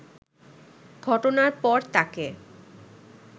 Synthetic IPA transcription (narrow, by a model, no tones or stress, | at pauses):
ɡ̥ʱɔʈonaɾpɔɾt̪ake